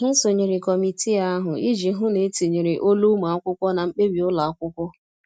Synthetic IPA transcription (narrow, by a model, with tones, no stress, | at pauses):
ɦʊ˦so˨ɲe˨ɾɪ˨kɔ˨mi˨ti˦a˦ɦʊ˨i˦d͡ʒi˨˦ɦʊ˦ne˨˦ti˨ɲi˨ɾɪ˨ʔo˦lu˦ma˨a˦kʷʊ˦kʷɔ˦na˨ŋ͡m̩˦k͡pe˦bi˨ʊ˦la˨a˦kʷʊ˦kʷɔ˦